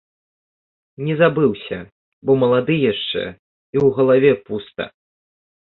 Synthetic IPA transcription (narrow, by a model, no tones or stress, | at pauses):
nʲɛzabɨwsʲɐ̰ | bɔmɐlˠad̪ɨjaʂt͡ʂɛ̰ | iwɣɐlˠavʲɛpust̪ɐ̰